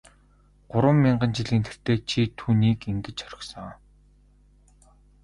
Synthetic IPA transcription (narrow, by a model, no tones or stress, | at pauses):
ɢ̥ʊɾwə̆mːiɴɢə̆nt͡ɕiɮiːnt̪ʰer̥t̪eːt͡ɕʰit̪ʰuːniːkiŋɡɘ̆t͡ɕœɾʲə̆ksɞ̆ŋː